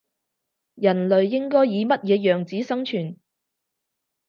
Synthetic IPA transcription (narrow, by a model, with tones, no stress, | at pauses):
jɐ˨˩nlɵ˨ɥːɪ˥ŋkɔː˥jːiː˨˧mɐ˥t̚jɛː˨˧jœː˨ŋt͡siː˨˥sɐ˥ŋt͡ʃʰyː˨˩n